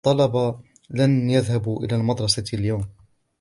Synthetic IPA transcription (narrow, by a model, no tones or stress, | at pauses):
t̪ˤːɑlɑbɑ | lanjaðhabuʔɪ̰laːlmɑd̪ɾˤɑsaljawm